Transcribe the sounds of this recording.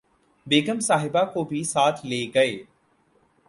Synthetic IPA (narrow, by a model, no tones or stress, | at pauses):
beːɡəmsaːɦɪbakobʱisaːt̪ʰleːɡɐeː